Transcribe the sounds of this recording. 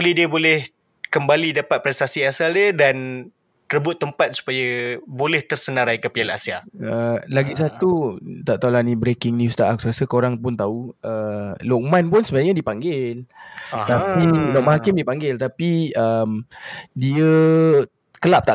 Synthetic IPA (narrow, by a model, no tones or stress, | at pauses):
lidiəbolɛh | kəmbalidapat̪̚pɾɛst̪asiasaldiədan | ɾəbʊt̪ːəmpat̪̚su̥pajabolɛht̪ərsənãɾajkəpiala̰sia̰əlaɡis̬at̪ut̪aʔt̪aulanibɾekɪŋnust̪aʔaksasəkoɾaŋpʊnt̪auəlɔk̚mãnpʊnsəbaɡaɲadipaŋɡɪlt̪ainɔʔmaɦakɪmdipaŋɡɪlt̪apiəmdiə | kəlap̚t̪a